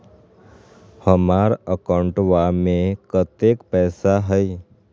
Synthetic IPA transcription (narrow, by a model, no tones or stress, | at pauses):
həmaːɾəkaɳʈʋamẽkət̪eːkpɛːsaɦəi